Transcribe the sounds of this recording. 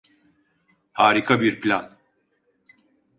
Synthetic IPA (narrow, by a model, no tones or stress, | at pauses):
haːɾikʰabiɾpʰlʲan